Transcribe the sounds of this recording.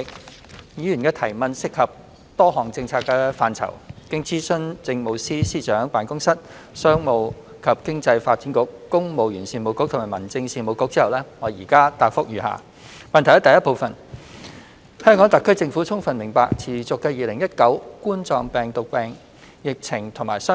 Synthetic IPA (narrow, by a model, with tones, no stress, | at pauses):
ɪ˨k̚ | jiː˨˧jyː˨˩nkɛː˧t̪ʰɐ˨˩jmɐ˨˧nsɪ˥kːɐ˨p̚ | t̪ɔː˥ɦɔː˨˩ŋt͡sɪ˧ŋt͡sʰaː˧kːɛː˧faː˧nt͡sʰɐ̰˨˩wkɪ˥ŋt͡siː˥sɵ˥nt͡sɪ˧ŋmo˨wsiː˥siː˥t͡ʃœː˨˥ŋpaː˨˥nkʊ˥ŋsɐ˥t̚ | sœː˥ŋmo˨˧w | kʰɐ˨p̚kɪ˥ŋt͡sɐ˧jfaː˧t̚t͡sːiː˨˥nkʊ˨˥kːʊ˥ŋmo˨wjyː˨˩nsiː˨˧nmo˨˧wkʊ˧˥t̪ʰmaː˨˩mɐ˨˩nt͡sɪ˧ŋsiː˨˧nmo˨˧wkʊ˧˥t͡si˥ɐ˨˩wlɛː˥ŋɔː˨˧˥jiː˨˩kaː˥t̪aː˧k̚fʊ˥k̚jyː˨˧ha̰ː˨˩ | mɐ˨nt̪ʰhɐ˦˥t̪jɐ˥po˧wfɐ˨n | hœː˥ŋkɔː˨˥ŋt̪ɐ˨kʰːɵ˥ɥt͡sɪ˧ŋfuː˨˥t͡sʰʊ˥ŋfɐ˨nmɪ˨˩ŋpaː˧k̚t͡sʰiː˨˩t͡sʊ˨kːɛː˧jiː˨˧lɪ˨˩ŋjɐ˥t̚kɐ˨˥wkuː˥nt͡sɔː˧ŋpɛː˨ŋt̪ʊ˨k̚pɛː˨ŋ | jɪ˨k̚t͡sʰɪ˨˩ŋt̪ʰʊ˨˩ŋmaː˨˩jsœː˥